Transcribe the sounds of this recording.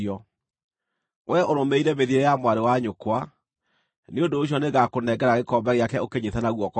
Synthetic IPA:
ɔ | wɛʔoɾomeiɾɛmeðiɾɛjamwaɾewaɲokwa | neondoːɕ̬iɔneɣakonɛɡɛɾaɣekɔmbaɣeakɛokeɲeθanaɣwɔkɔ

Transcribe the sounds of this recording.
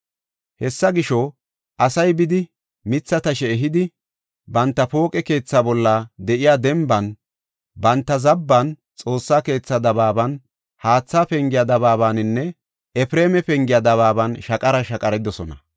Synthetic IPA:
hɛsːɐɡɪʃɔ | ʔɐsɐjbɪd̪ɪ | mɪt͡sːɐt̪ɐʃɛːɦɪd̪ɪ | bɐnt̪ːɐpo̞ːkʼɛke̞ːt͡sːaːbɔlːɐd̪ɛʔɪjaːd̪ɛmbɐn | bɐnt̪ːɐzɐbːɐn | t͡sʼo̞ːsːaːke̞ːt͡sːɐd̪ɐbaːbɐn | haːt͡sːaːpɛŋɡɪjad̪ɐβaːβaːnɪnːɛ | ɛpɪɾe̞ːmɛpɛŋɡɪjɐd̪ɐβaːbɐnʃɐkʼɐɾɐʃɐkʼɐɾɛd̪ɔsɔnɐ

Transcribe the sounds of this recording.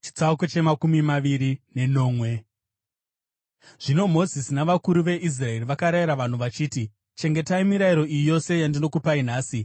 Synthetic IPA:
t͡ʃi̥t͡saukot͡ʃe̞makumimaʋiɾine̞no̞ːmwe̞ | ʐ̥ino̞mo̞zisinaʋakuɾuʋe̞ʔis̬rae̞riʋakaɾaiɾaʋan̤uʋat͡ʃiːti | t͡ʃe̞ŋɡe̞taimiɾaiɾo̞ijijo̞se̞jandino̞kupainaːsi

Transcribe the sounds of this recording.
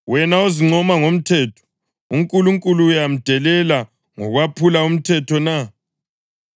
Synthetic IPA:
wɛnaoziŋ͡ǀʱɔmaŋom̩tʰɛːtʰɔ̥ | uŋkʼuluŋkʼuluːjam̩d̥ʱɛlɛla | ŋɔɣwapʰulaum̩tʰɛtʰɔna

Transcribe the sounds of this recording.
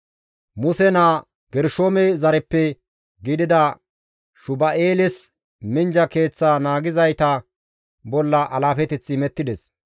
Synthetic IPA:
mʊsɛna | ɡɛɾʃoːmɛzɐɾɛpːɛ | ɡɪd̪ɪd̪ɐ | ʃʊbɐeːlɪs | mɪnd͡ʒɐke̞ːt͡sːaːnaːɡɪzɐjt̪ɐ | bɔlːɐʔɐlaːfɛt̪ɛt͡sːɪmɛt̪ːɪd̪ɛs

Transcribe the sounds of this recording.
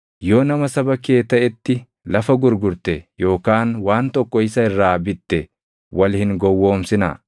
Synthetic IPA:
jo̞ːnɐmɐsɐbɐkeːt̪ːɐʔɛt̪ːɪ | lɐfɐɡʊɾɡʊɾt̪ɛjo̞ːkaːnwaːnt̪ɔkʼːɔɪsɐɪrːaːbɪt̪ːɛ | wɐlhɪŋɡɔwːo̞ːmsɪnɐ̰

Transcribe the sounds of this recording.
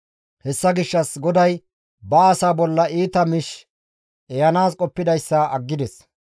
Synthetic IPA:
hɛsːɐɡɪʃːɐsɡɔd̪ɐj | bɐːsaːbɔlːɐiːt̪ɐmɪʃ | ɛjɐnaːskʼɔpːɪd̪ɐjsːɐʔɐɡːɪd̪ɛs

